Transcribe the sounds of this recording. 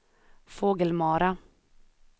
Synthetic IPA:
foːɡəlmɑːɾɑ

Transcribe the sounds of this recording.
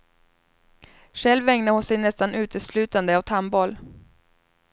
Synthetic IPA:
ʂɛlvɛŋnaɾhʊnsɛjnɛst̪anʉ̟ːt̪əslʉ̟ːt̪and̪əavt̪ʰambɔl

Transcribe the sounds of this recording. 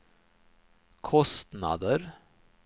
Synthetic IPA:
kʰɔst̪nɑ̰d̪əɾ

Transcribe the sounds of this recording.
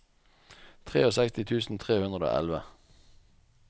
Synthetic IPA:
t̪ʰʁḛːoːsɛkst̪ɪt̪ʰʉːsn̩t̪ʰʁeːhʉnʁəd̪o̰ːʔɛ̰lʋə

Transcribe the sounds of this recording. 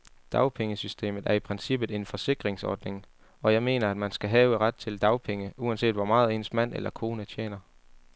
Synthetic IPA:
d̥ɑ̈ʊpʰeŋəsysd̥e̝̰ːmð̩ˠʔæɐipʰʁɛnsib̥ð̩ˠe̝nfɒ̽se̝ɡ̥ʁeŋsɒ̰ːd̥ne̝ŋ | ɒ̽jɑ̈ɪme̝̰ːnɐæd̥mænsɡ̥æɦɛːʊəʁɑd̥̚t͡sʰe̝ld̥ɑ̈ʊpʰeŋəuænse̝̰ːd̥ʋɒmɑ̈ːð̩ˠe̝̰ːnəsmæn̰ḛlɐkʰo̝ːnət͡ɕʰjḛːnɐ

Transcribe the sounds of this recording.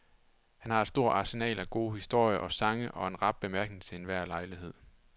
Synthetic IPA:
hænhɑ̈ed̥sd̥o̝ɐ̰ɑ̈senɛ̰ːlæɡ̥o̝ːhisd̥o̝ɐ̰jəʔɒ̽sɑ̈ŋəʔɒ̽enʁɑ̈b̥̚b̥e̝mæɐɡ̥neŋt͡sʰe̝e̝nʋæɐ̰lɑ̈ɪliɦe̝ð̞̰ˠ

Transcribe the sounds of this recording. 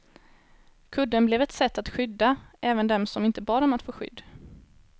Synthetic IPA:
kʰɵd̪ːənblɛvɛt̪sɛt̪ːat̪ɧʏd̪ːaʔɛːvənd̪ɛmsɔmɪnt̪əbɑːɖɔmat̪foːɧʏ̰d̪ː

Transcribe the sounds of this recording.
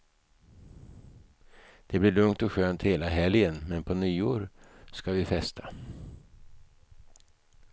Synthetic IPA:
d̪̥ɛblɪɭɵŋt̪ɔɧøːnt̪heːlaɦɛljənmɛnpʰɔnyːoːɾskavɪfɛst̪ʰa

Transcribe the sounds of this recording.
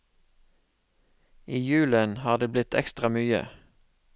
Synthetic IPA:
ʔiːjʉːlənhɑːʁd̪eːblɪt̪ʰɛ̰kst̪ʁɑmyːə̰

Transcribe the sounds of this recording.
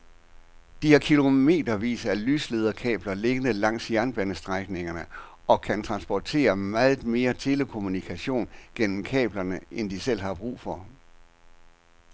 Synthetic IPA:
d̥ihɑ̈kʰilo̝me̝̰ːd̥ɐʋḭːsɐælyːsle̝ðˠɐkʰɛ̰ːb̥lɐle̝ɡ̥ənəlɑ̈ŋ̰sjæɐnb̥ænəsd̥ʁaɡ̥ne̝ŋɐnə | ɒ̽kʰænt͡sʰʁɑ̈nsb̥ɒt͡sʰe̝̰ːɐmæːð̩ˠme̝ːɐt͡sʰe̝ləkʰo̝munikʰæɕo̝̰ːnɡ̥en̰m̩kʰɛ̰ːb̥lɐnəend̥isel̰ɦɑ̈b̥ʁṵːfɒ̽

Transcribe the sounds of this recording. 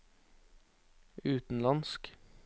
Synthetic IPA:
ʉːt̪n̩lɑnsk

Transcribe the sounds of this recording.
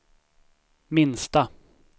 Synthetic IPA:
mɪnst̪a

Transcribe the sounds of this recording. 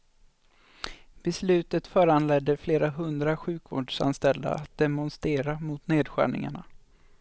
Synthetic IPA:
b̥ɛslʉ̟ːt̪ət̪fœːɾanlɛd̪ːəfleːɾaɦɵnd̪ɾaɧʉ̟ːkvoːɖʂa̰nst̪ɛld̪a̰at̪̚d̪ɛmɔnst̪eːɾamʊt̪neːd̪ɧæ̰ːɳɪ̰ŋa̰ɳa

